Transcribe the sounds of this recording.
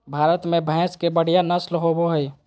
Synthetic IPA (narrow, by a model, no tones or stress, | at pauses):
bʱaːɾət̪mẽbʱɛ̃ːskebəɽ̤ijanəslɦoboɦəi